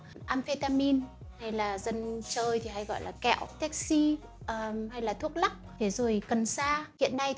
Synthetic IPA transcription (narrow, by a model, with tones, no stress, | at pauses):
ʔaː˧mfe˧t̪aː˧mi˧nha˧jlaː˨˩zə˧nt͡ɕəː˧jt̪ʰi˨˩ɦa˧jɣɔ̰˧˨jlaː˨˩kɛ̰˧˩˨wt̪ɛ˦˥k̚si˧ | ʔəː˨˩ha˧jlaː˨˩t̪ʰu˦˥ək̚la˦˥k͡p̚t̪ʰe˨˦zo˨˩jkə˨˩nsaː˧hḭ˧˨ənːa˧j